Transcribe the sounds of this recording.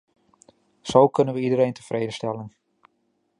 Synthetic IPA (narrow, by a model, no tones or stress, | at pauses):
sowkɵnənʋəidəɾejntəfreːdəstɛlən